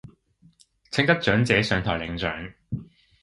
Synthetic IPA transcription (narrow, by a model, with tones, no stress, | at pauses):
t͡sʰɪ˥ŋt̪ɐ˥k̚t͡ʃœː˨˥ŋt͡sɛː˨˥sœː˨˧˥ŋt̪ʰɔː˨˩jlɪ˨˥ŋt͡sœ̰ː˨˥ŋ